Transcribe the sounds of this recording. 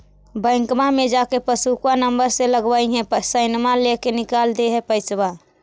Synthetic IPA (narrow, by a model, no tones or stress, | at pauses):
bəɪŋkmamed͡ʒakepəsukwanəmbəɾseləɡbəiɦẽsəɪnmalekenikald̪eɦepəɪt͡ʃba